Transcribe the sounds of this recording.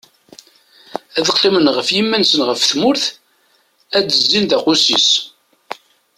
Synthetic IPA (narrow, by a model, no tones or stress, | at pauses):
æðəqːlimənʁəfjimːænsənʁəfθmʊɾθ | æd̪əzːinðæqʊsis